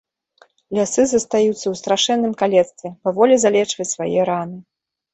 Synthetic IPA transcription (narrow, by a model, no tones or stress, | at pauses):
lʲasɨzɐst̪ajut̪sːɐwst̪ɾaʂɛnːɨmkalʲɛt̪st̪vʲɛpavɔlʲɛzalʲɛt͡ʂvɐt͡sʲsvajɛɾanɨ